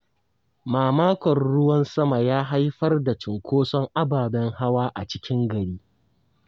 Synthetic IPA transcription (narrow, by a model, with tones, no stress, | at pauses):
maː˨maː˦kʷɔ˨rɽʊ˦wɐ˦nsɐ˦ma˨jaː˦ɦa˦jɸɐ˦rda˨t͡ʃɪ˨ŋkʷʰoː˦sɔ˦ŋʔa˦baː˨bɛ˦ŋha˦waː˦ʔa̰˨t͡ʃɪ˦kʲɪ˦ŋɡɐ˨ɽiː˦